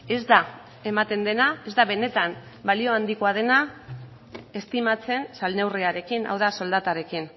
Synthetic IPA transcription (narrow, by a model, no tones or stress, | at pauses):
e̞zd̪a | e̞mat̪e̞nd̪e̞nae̞zd̪aβe̞ne̞t̪an | balio̞and̪ikoað̞e̞na | e̞st̪imat͡se̞nsalne̞wriaɾe̞kina̰wðaso̞ld̪at̪aɾe̞kin